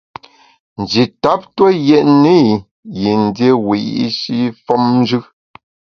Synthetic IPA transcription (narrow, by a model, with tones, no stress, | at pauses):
n̩˨d͡ʒi˨ta˦p̚tə˦jɛ˦ʔne˦˨ | ji˨n̩˨dje˦wi˨ʔi˦ʃi˦fɔ˦mn̩˦d͡ʒʉ˦